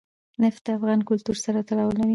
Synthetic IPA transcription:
nɪfd̪əafɣɑnkʊlt̪uɾsaɾat̪aɽɑwlawi

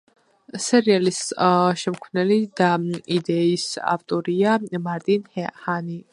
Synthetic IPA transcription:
sɛɾialisʃɛmkʰwvnɛlid̪aid̪ɛisa̰vt̪ʼɔɾiamaɾt̪ʼinhɛhani

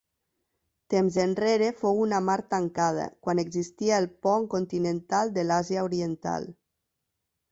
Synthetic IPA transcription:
t̪emzenreɾefowunamaɾt̪əŋkað̞ə̰kwaneɡzist̪iəelˠpɔŋkont̪inent̪alˠd̪elaziaoɾient̪a̰lˠ

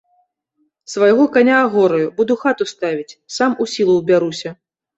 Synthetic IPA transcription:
svajɣɔkanʲaːɣɔɾɐjubud̪uxat̪ust̪avʲit͡sʲsamusʲilˠuwbʲaɾusʲɐ

